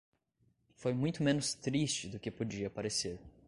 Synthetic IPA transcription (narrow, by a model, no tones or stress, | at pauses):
fojmũj̃t̪ʊmẽnʊst̪ɾist͡ʃɪd̪ʊkɪpod͡ʒiɐpaɾeseɾ